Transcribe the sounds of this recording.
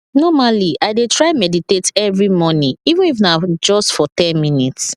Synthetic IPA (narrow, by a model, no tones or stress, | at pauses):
nɔmaliʔaɪdetɹaɪmɛditetɛvɹimɔnĩivũnifnad͡ʒɔstfɔtɛ̃nminits